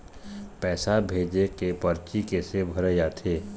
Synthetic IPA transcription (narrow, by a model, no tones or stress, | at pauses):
pɛːsabʱeːd͡ʒekepɐɾt͡ʃikesebʱɐɾejaːt̪ʰeː